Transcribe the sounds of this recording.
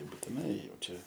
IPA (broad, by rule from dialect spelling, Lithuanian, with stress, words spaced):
buːtʲɪˈnɐɪ ˈjɛʊ ˈt͡ʃʲɛ